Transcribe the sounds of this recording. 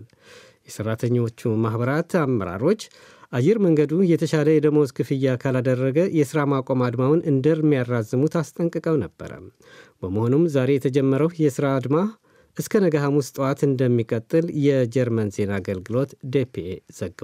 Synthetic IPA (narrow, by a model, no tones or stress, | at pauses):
jɛsərːat̪ʰəɲːo̞t͡ʃːumahβəɾat̪amːəɾa̰ɾo̞t͡ʃː | ʔajɛɾməŋɡəd̪ujɛt̪ʰəʃaləjɛd̪əmoskʰɨfɨjːakʰalad̪ərːəɡəjɛsɨɾamakʷʼo̞mad̪mawɨnɨnd̪əɾmijarːazɨmut̪ast̪ʼəŋkʼɨkʼəwnəb̥ːə̰ɾə̰ | b̥əməho̞numzaɾe̞jɛt̪ʰəd͡ʒɛmːəɾəwjɛsɨɾad̪ma | ʔɨskʰənəɡaɦamust̪ʼəwat̪ɨnd̪əmːikʼət̪ʼːɨljɛd͡ʒɛɾmənze̞naːɡəlɡɨlo̞t̪d̪epʰez̥əɡː